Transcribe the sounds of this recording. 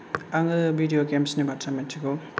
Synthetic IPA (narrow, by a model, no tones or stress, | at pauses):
aŋɯbidioɡemsnibatʰametʰiɡo